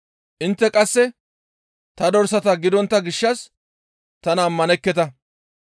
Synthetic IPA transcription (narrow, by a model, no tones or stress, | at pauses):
ʔɪnt̪ːɛkʼɐsːɛ | t̪ɐd̪ɔɾsɐt̪ɐɡɪd̪ɔnt̪ːɐɡɪʃːɐs | t̪ɐnɐːmːɐnɛkːɛt̪ɐ